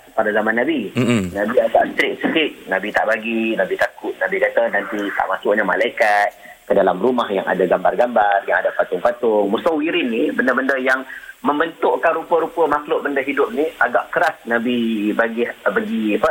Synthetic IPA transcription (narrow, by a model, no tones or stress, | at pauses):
padazamãnːabinabiaɡa̰ʔst̪ɾɪk̚səkɪt̪̚nãbit̪a̰ʔbaɡinabit̪akʊt̪̚nabikat̪anant̪it̪a̰ʔmasʊʔɲama̰laikat̪̚ | kədalamrumahjaŋa̰daɡambarɡambarjaŋadapat̪ʊŋpat̪ʊŋmusawiɾɪnːibəndəbəndəjaŋməmbənt̪ʊʔkanɾupəɾupəmaklʊʔ̚bəndəɦidʊp̚niʔaɡaʔkəɾasnabibaɡɪhbaɡiapə